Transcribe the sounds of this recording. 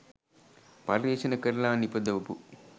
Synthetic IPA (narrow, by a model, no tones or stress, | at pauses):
pɐlɾeːt͡ʃɐnɐkɐɾlaːnipɐd̪ɐʋɐpu